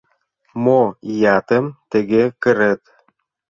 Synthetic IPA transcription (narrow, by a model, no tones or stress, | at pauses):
mojɑt̪əmt̪ə̆ɣekə̆ɾet̪